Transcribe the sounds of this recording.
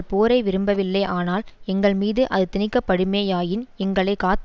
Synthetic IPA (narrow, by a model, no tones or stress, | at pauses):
ɭpoːɾɐɪʋɪɾɯmbɐʋɪlːɐɪʔaːnaːlɛŋɡɐɭmiːðɯʔɐðɯt̪ɪnɪkːɐpːɐɽɯmeːjaːjɪnɛŋɡɐɭɐɪkaːt̪